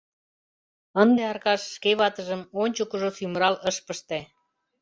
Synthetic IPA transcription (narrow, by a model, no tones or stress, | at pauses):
ənd̪eɑrkɑʃːkeβɑt̪əʒəmonʲt͡ɕəkuʒosyməɾɑləʃpəʃt̪e